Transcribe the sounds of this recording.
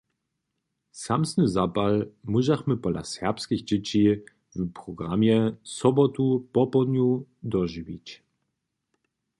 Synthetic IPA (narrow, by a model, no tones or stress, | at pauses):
samsnəzapalmuʒaχməpɔla̰sɛʁpskixd͡ʑɪt͡ɕi | vupʁɔɡʁamjɛsɔbɔt̪upɔpɔd̪nʲjud̪ɔʒivḭt͡ɕ